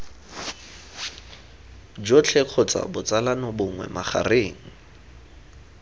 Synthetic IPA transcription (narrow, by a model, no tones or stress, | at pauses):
d͡ʒot͡ɬʰɛq͡χʰɔt͡sʼa̰bʊt͡sʼalanɔbʊŋwɛ̰maχa̰reːŋ̩